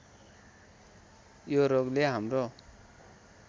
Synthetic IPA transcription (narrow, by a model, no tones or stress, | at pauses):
joɾoɡleɦamɾɔ